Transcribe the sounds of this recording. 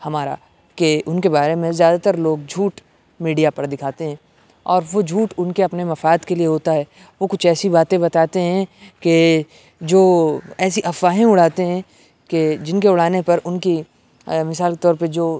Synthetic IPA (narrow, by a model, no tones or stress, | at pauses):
hɐmaːɾa̰ | keʔʊnkebaːɾemẽzjaːd̪at̪ɐɾloːɡ̚d͡ʒʱuːʈ | miːɖijapɐɾd̪ɪkʰaːt̪eɦɛ̃ː | ɔːɾʋod͡ʒʱuːʈʊnkeɐpnemɐfaːd̪kelieɦoːt̪aɦɛː | ʋokʊt͡ʃʰɛːsibaːt̪ẽbɐt̪aːt̪eɦɛ̃ke | d͡ʒoːɛːsiʔɐfaːɦẽʊɽ̤aːt̪eɦɛ̃ | ked͡ʒɪnkeʊɽ̤aːnepɐɾʊnki | mɪsaːlke̥t̪ɔːɾped͡ʒoː